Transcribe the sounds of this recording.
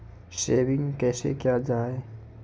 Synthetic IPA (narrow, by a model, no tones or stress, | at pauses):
ʃeːwɪ̃ŋɡkɛːsḛkjaːd͡ʒaːe